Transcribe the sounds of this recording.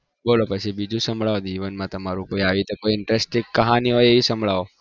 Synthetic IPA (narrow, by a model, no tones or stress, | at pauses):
bolopət͡ʃʰibid͡ʒũsə̃mbɭaod͡ʒiʋənmãt̪əmaɾũkoiaʋit̪okoiɪɳʈɾesʈɪ̃ɡkəɦaniɦojeʋisəmbʱɭaʋo